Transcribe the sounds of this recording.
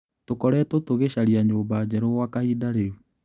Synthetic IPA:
tokɔɾɛtotoɣeɕaɾiaɲoːbad͡ʑɛɾoɣwakahidaɾeu

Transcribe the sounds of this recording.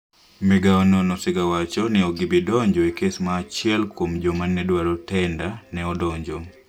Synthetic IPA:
mɛɡaɔnɔnɔsɪɡawat͡ʃɔnɛoɡibidɔɲd͡ʒɔekesmaːt͡ʃɪɛlkwomd͡ʒomanːɛdwaɾɔtɛndanɛɔdɔɲd͡ʒo

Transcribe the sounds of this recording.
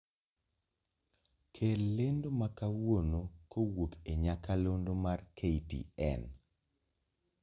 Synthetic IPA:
kʰelːendomakawonokowopeɲakalondomarkʰeitḭɛ̰n

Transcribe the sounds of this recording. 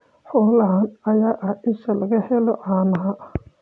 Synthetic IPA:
ħɔːlɐɦanɐjaːʔɐhʔɪʃɐlɐɣɐhɛlɔʔaːnɐɦɐ

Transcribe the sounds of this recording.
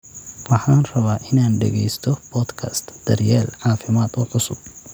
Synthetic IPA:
wɑħɑːnrɐβaːʔɪnaːnɖɛ̰ɣɛjst̪ʰɔb̥ɔːd̪kʰɐst̪d̪̥ɐrjɛːlʕɑːfɪmaːd̪ɔːʕʊsʊb̚

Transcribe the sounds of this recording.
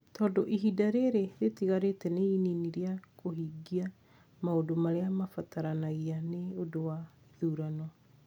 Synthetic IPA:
tɔːdoʔiɦidaɾeɾeðetiɣaɾetɛneininiɾiakoɦiːɡia | maodomaɾeamafataɾanaɣianeodowa | iðuɾanɔ

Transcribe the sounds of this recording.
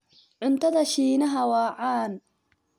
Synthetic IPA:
ʕʊnt̪ʰɐðɐʃiːnɐɦɐwɑːʕɑːn

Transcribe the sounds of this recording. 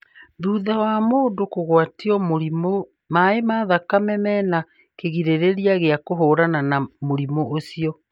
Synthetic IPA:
ðuːðawamoːndokoɣwatiɔmoɾimo | maemaðakamɛmɛːna | keɣiɾeɾeɾiaɣeakoɦoːɾananamoɾimoosiɔ

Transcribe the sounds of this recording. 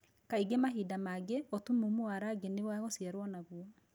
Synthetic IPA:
kaiɡemaɦidamaɡeɔtumumoaɾaɡenewaɣosiaɾwɔnaɣuɔ

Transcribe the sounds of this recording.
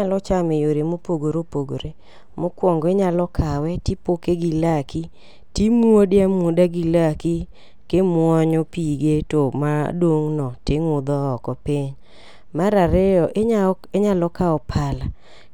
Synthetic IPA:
ɲalɔt͡ʃamejoɾemopoɡoɾopoɡo̰ɾe | mokwɔŋɡɔeɲalɔkʰawɛtipokeɡilaki | timwodɪamodaɡilaki | kemwɔɲɔpiɡetomadoŋnɔteŋʊd̪ɔːkɔpiɲ | maɾaɾɛɔʔ | eɲalɔkaɔpʰala

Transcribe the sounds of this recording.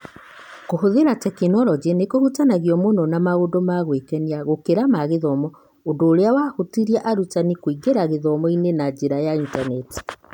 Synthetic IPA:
koɦoðeɾatɛkinɔlɔd͡ʒenekohutanaɣiɔmonɔnamaɣodomaɣwekɛniaɣokeɾamaɣeðɔmɔ | ondoːɾeawahotiɾiaʔaɾutanikwiɡeɾaɣeðɔmɔinenad͡ʒeɾajaintanɛti̥

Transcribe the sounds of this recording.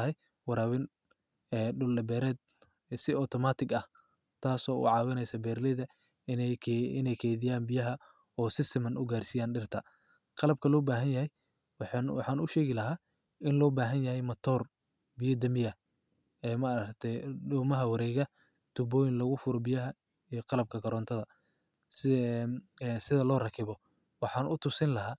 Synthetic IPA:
ɦɛj | wɑɾaːwɪn | ɛːɖʊlːɐbɛːɾɛːd̪ | sɪɔt̪ʰɔmaːt̪ʰɪɡɐh | t̪ʰaːsɔːʊ̰ʕɑːwɪnɛjsɐbɛːrlɛðɐ | ɪ̰nɛjkʰɛːðɪjaːnbɪjɐɦɐ | ɔːsɪsɪmɐnʔʊɡaːrsijaːnɖɪrt̪ʰɐ | qɑlɐb̚kʰɐlɔːbaːɦɐnjɐɦɛj | wwɑħɑːnʊʃɛːɣɪlɐɦaː | ɪnlɔːbaːɦɐnjɐɦɛjmɐt̪ʰɔːr | bijɐd̪ɐmɪjɐ | ɛːmɐːɾɐkt̪ʰɛɖɔːmɐɦɐwɐɾɛːɣɐ | t̪ʰʊbɔːjɪnlɐɣʊfʊɾɔbɪjɐɦɐ | ijqɑlɐb̚kʰɐɡɐɾɔːnt̪ʰɐðɐ | s | sɪðɐlɔːrɐkʰɪβɔ | wɑħɑːnʔʊt̪ʰʊsɪnlɐɦaː

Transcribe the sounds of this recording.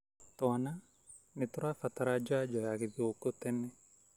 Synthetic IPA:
t̪ɔana | nɪt̪ʊɾafat̪aɾad͡ʒad͡ʒɔjakɪðiokot̪ɛnɛ

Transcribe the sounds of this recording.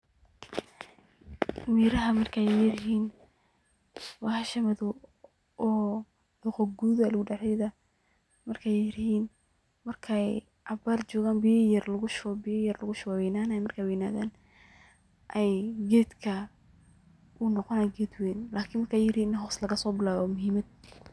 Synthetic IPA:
miːɾɐɦɐmɐrkʰajjɪɾɪɦiːn | wɑhʃɐmɐðʊ | ʔɔː | ʊqɔɡuːðɐlʊɣʊɖɛħɛjðɐ | mɐrkʰajjɪɾɪhiːn | mɐrkʰɛj | ʕɑbaːrt͡ʃɔːɣaːnbɪjjɐrlɐɣʊʃbɪjjɐrlɐɣʊʃʊɣwɛjnaːnːjmɐrkʰaːwɛːjnaːðaːn | ʔɛjɡɛːd̪kʰɐ | ʔʊnɔqɔnaɡɛːd̪wɛːnlʔaːkʰɪːnmɐrkʰaːjjɪɾiːnnɦɔːslɐɣɐsɔːbɪlaːðɔmʊɦiːmɐd̪̚

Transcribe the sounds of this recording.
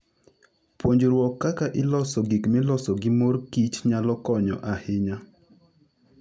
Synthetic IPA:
pwoɲd͡ʒɾwɔkːakaʔɪlɔsɔɡikmɪlɔsɔɡɪmoɾkit͡ʃɲalɔkɔɲɔ̰ʔahɪɲa

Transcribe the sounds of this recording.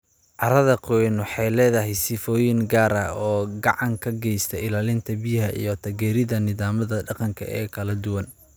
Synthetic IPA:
ʕɑɾɐðɐqɔnʊħɑjlɛːðɐɦɛjsɪfɔːjɪŋɡaːɾɐɔːɡɑʕɑŋkʰɐɡɛjst̪ʰɐɪlaːlɪnt̪ʰɐbɪjɦɐʔḭjɞt̪ʰɐɣɛːɾɪðɐnɪðaːmɐðɐɖɑqɑŋkʰɐ̰ʔɛ̰ːkʰɐlɐd̪ʊwɐn

